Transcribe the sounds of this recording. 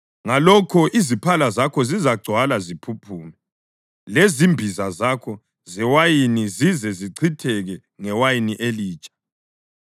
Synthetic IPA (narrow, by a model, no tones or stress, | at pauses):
ŋalɔkʰɔʔizipʰalazakʰɔzizaɡ͡ǀʱwalazipʰupʰuːnɛ | lezimbʱizazakʰɔ | zɛwajinizizɛziǀʰitʰɛɣɛ | ŋɛwajiniʔeliːt͡ʃʼḁ